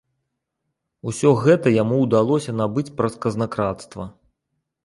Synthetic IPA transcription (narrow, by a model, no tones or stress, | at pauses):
usʲɔɣɛt̪ɐjamuwd̪alˠɔsʲɐnabɨt͡sʲpɾɐskɐznɐkɾat̪st̪vɐ